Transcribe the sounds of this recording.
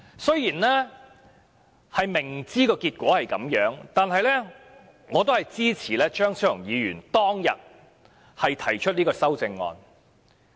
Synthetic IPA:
sɵ˥ɥjiː˨˩nlɛː˥ | hɐ˨jmɪ˨˩ŋt͡siː˥kɔː˧kiː˧t̚kʷɔː˨˥hɐ˨jkɐ̰˨˥mjœː˨˥ŋt̪aː˨nɦɐ˨jlɛː˥ | ŋɔː˨˧t̪̬o˥whɐ˨jt͡siː˥t͡sʰiː˨˩lɛː˥t͡ʃœː˥ŋsɵ˥ʊ˨˩ŋjiː˨˧jyː˨˩nt̪ɔː˥ŋjɐ̰˨t̚ | hɐ˨jt̪ʰɐ˨˩jt͡ʃʰɵ˥t̚niː˥kɔː˧sɐ˥wt͡sɪ˧ŋːɔ̰ː˧n

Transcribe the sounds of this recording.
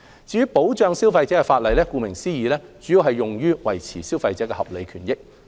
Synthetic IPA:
t͡siː˧jyː˥po˨˥wt͡ʃœː˧ŋsiː˥wfɐ˧jt͡sɛ˨˥kɛː˧faː˧t̚lɐ˨jlɛː˥kuː˧mɪ˨˩ŋsiː˥jiː˨˧lɛː˥t͡syː˨˥ji˨˧wɦɐ˨jːʊ˨ŋjyː˥wɐ̰˨˩jt͡sʰiː˨˩siː˥wfɐ˧jt͡sɛː˨˥kɛː˧hɐ˨p̚le˨˧jkʰyː˨˩njɪ˥k̚

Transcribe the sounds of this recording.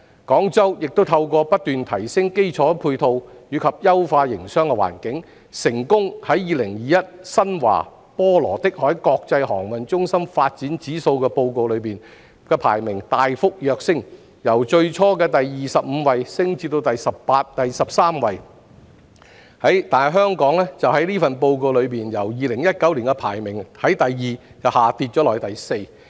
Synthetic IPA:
kɔː˨˥ŋt͡sɐ˥wjɪ˨k̚t̪o˥wt̪ʰɐ˧wkɔː˧pɐ˥t̚t̪yː˨˩nt̪ʰɐ˨˩jsɪ˥ŋke˥jt͡sʰɔː˨˥pʰuː˧jt̪ʰo˧wjyː˨˧kʰɐ˨p̚jɐ˥wfaː˧jɪ˨˩ŋsœː˥ŋkɛ˧wa̰ː˨˩nkɪ˨˥ŋ | sɪ˨˩ŋkʊ˥ŋhɐ˨˥jːiː˨˧lɪ˨˩ŋjiː˨jɐ˥t̚sɐ˥nwa̰ː˨˩ | pɔː˥lɔ̰ː˨˩t̪ɪ˥k̚hɔː˨˥jkɔː˧k̚t͡sɐ˧jɦɔ̰ː˨˩ŋwɐ˨nt͡ʃʊ˥ŋsɐ˥mfaː˧t̚t͡siː˨˥nt͡siː˨˥so˧wkɛː˧po˧wko˨˧wlɵ˨˧piː˨˩n | kɛː˧pʰa̰ː˨˩jmɪ˨˩ŋt̪aː˨jfʊ˥k̚jœː˨˧k̚sɪ˥ŋ | jɐ˨˩wt͡ʃɵ˧ɥt͡ʃʰɔː˥kɛː˧t̪ɐ˨jːiː˨sɐ˨p̚m̩˨˧wɐ˨˧jsɪ˥ŋt͡si˧t̪o˧wt̪ɐ˨jsɐ˨ppaː˧t̚t̪ɐ˨jsɐ˨p̚saː˥mwɐ˨j | hɐ˨˥jt̪aː˨jɦœː˥ŋkɔː˨˥ŋlɛː˥t͡sɐ˨whɐ˨˥jliː˥fɐ˨npo˧wko˧wlɵ˨˧ɥpiː˨njɐ˨˩wjiː˨lɪ˨˩ŋjɐ˥t̚kɐ˨˥wliː˨˩nkɛ˧pʰa̰ː˨˩jmɪ˨˩ŋhɐ˨˥jt̪ɐ˨jːiː˨˩ | t͡sɐ˨whaː˨t̪iː˧t̚t͡ʃɔː˨˥lɔː˨˩jt̪ɐ˨jse˧j

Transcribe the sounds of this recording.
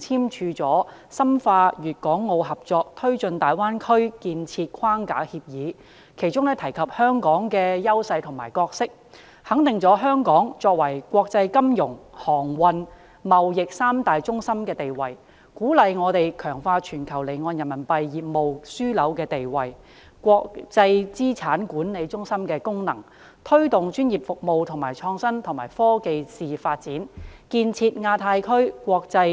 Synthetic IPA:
t͡sʰiː˥mt͡ʃʰyː˧t͡sɔː˨˥ | sɐ˥mfaː˧jyː˨t̚kɔː˨˥ŋːo˧wɦɐ˨p̚t͡sɔː˧k̚t̪ʰɵ˥ɥt͡ʃɵ˧nt̪aː˨jwaː˥nkʰɵ˥ɥkiː˧nt͡sʰiː˧t̚kʰaː˥ŋka̰ː˨˥hiː˧p̚jiː˨˥ | kʰe˨˩jt͡sʊ˥ŋnɛː˥t̪ʰɐ˨˩jkʰɐ˨p̚hœː˥ŋkɔː˨˥ŋkɛː˧jɐ˥wsɐ˧jt̪ʰʊ˨˩maː˨˩jkɔː˧k̚sɪ˥k̚ | hɐ˨˥ŋt̪ɪ˨ŋt͡sɔː˨˥ɦœː˥ŋkɔː˨˥ŋt͡sɔː˧k̚wɐ˨˩jkʷɔː˧k̚t͡sɐ˧jkɐ˥mjʊ˨˩ŋhɔː˨˩ŋwɐ˧n | mɐ˨˩wjɪ˨k̚saː˥mt̪aː˨jt͡sʊ˥ŋsɐ˥mkɛː˧t̪e˨jwɐ˨˩j | kuː˨˥lɐ˨jŋɔː˨˧t̪e˨jkʰœː˨˩ŋfaː˧t͡ʃʰyː˨˩nkʰɐ˨˩wle˨˩jŋɔː˧njɐ˨˩nmɐ˨˩npɐ˧jːiː˨p̚mo˨wsyː˥lɐ˨˥wkɛː˧t̪e˨jwɐ˨j | kwɔː˧kt͡sɐ˧jt͡siː˥t͡sʰaː˨˥nkuː˨˥nle˨˧jt͡sʊ˥ŋsɐ˥mkɛː˧kʊ˥ŋnɐ̰˨˩ŋ | t̪ʰɵ˥ɥt̪ʊ˨ŋt͡ʃyː˥njiː˨˩p̚fʊ˨k̚mo˨wt̪ʰʊ˨˩ŋmaː˨˩jt͡ʃʰɔː˧ŋsɐ˥nt̪ʰʊ˨˩ŋmaː˨˩jfɔː˥ke˨˧jsiː˨faː˧t̚t͡siː˨˥nkiː˧nt͡sʰiː˧t̚ŋaː˧t̪ʰaː˧jkʰɵ˥ɥkʷwɔː˧k̚t͡sɐ˧j

